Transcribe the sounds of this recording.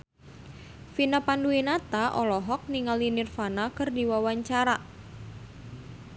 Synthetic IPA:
finapanduinat̪aʔɔlɔɦɔk̚niŋalinirfanakərdiwawaɲt͡ʃaɾa

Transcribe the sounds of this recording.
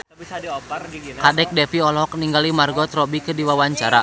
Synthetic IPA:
kadɛk̚dɛfiɔlɔɦɔkniŋɡalimarɡɔt̪rɔbikɨdiwawaɲt͡ʃaɾa̰

